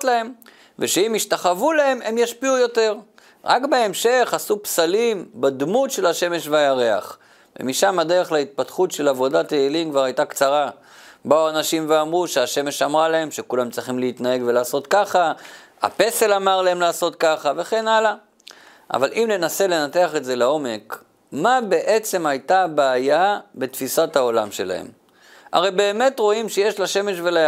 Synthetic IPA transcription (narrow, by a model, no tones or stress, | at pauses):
tlae̞m | veʃeimiʃtaχavulae̞me̞mjaʃpiujo̞te̞ʁ | ʁa̰kbeemʃe̞χasupsalimbad̪mutʃe̞laʃe̞me̞ʃvajaʁe̞a̰χ | vḛmiʃamad̪e̞ʁeχlait̪̚pat̪χutʃe̞lavo̞dateeliŋkvaʁajt̪akt͡saʁa | bauanaʃimveamʁuʃeaʃe̞me̞ʃamʁalae̞mʃe̞kulamt͡sʁiχimleit̪nae̞ɡve̞laːso̞t̪kaχa | a̰pe̞se̞lamaʁlae̞mlaːso̞tkaχave̞χe̞nala | ʔa̰valimle̞nase̞le̞nate̞aχetze̞lao̞me̞k | mabe̞ʔe̞t͡se̞majt̪abaːjabet̪fisathao̞lamʃe̞̰la̰hḛm | a̰ʁe̞jbe̞ːme̞tʁo̞imʃeje̞ʃlaʃe̞me̞ʃvela